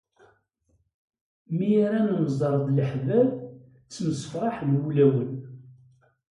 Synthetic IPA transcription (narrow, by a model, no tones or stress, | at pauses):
miaɾanəməzˤɑɾˤðˤləħvæv | t͡sːməsfɾˤɑħnwulæwən